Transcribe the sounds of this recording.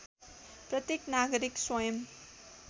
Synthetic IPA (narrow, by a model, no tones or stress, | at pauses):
prʌt̪jeknaɡʌɾikswʌjʌm